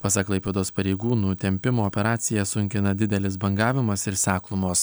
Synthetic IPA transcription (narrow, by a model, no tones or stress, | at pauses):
pɑsɐklˠɐɪpʲeːd̪oːspɐɾʲɛɪɡuːnuːt̪ʲɛmʲpʲɪmoːɔpʲɛɾɑːt̪sʲɪjɛsʊŋʲkʲɪnɐd̪ʲɪd̪ʲɛlʲɪsbɐŋɡɑːʋʲɪmɐsɪɾsʲæːklˠʊmoːs